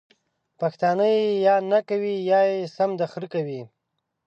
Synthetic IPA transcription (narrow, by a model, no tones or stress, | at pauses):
paxt̪ɑnəjejɑnakawijɑjesamd̪axɾikawi